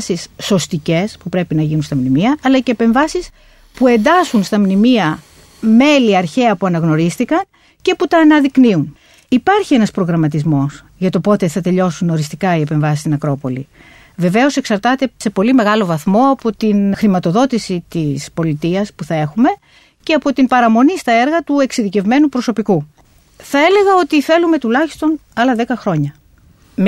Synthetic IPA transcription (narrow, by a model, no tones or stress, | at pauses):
sisːo̞st̪ice̞spupɾe̞pinɐʝinunst̪ɐmnimiɐʔːlɐce̞ːpe̞ɱvɐsis | pue̞nd̪ɐsunst̪ɐmnimiɐ | me̞liɐɾçe̞ɐpuɐnɐɣno̞ɾist̪ikɐn | ce̞put̪ɐːnɐðikniun | ipɐɾçie̞nɐspɾo̞ɣɾɐmɐt̪̬izmo̞s | ʝɐt̪o̞po̞t̪e̞θɐt̪e̞ʎo̞suno̞ɾist̪ikɐiepe̞ɱvɐsist̪inɐkɾo̞po̞li | ve̞ve̞o̞se̞ksɐɾt̪ɐt̪e̞se̞po̞lime̞ɣɐlo̞vɐθmo̞ɐpo̞t̪inxɾimɐt̪o̞ðo̞t̪isit̪ispo̞lit̪iɐspuθɐe̞xume̞ | ce̞ɐpo̞t̪impɐɾɐmo̞nist̪ɐe̞ɾɣɐt̪ueksiðice̞vme̞nupɾo̞so̞piku | θɐe̞le̞ɣɐo̞t̪iθe̞lume̞t̪ulɐçi̥st̪o̞nɐlɐðe̞kɐxɾo̞ɲɐ